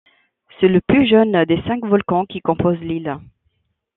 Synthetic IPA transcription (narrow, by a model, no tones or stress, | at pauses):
sɛləplyʒœnd̪esɛ̃kvɔlkɑ̃kʲikɔ̃pozlil